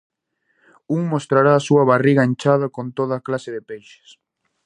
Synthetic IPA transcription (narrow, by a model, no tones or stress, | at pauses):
uŋmost̪ɾaɾaːsuɐβariɣɐent͡ʃaðɐkont̪oðɐːklasɪðɪpejʃɪ̥s